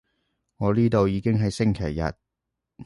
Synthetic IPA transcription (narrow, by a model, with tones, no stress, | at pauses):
ŋɔː˨˧liː˥t̪o˨˧wjiː˨˧kɪ˥ŋɦɐ˨jsɪ˥ŋkʰeː˨˩jːɐ̰˨t̚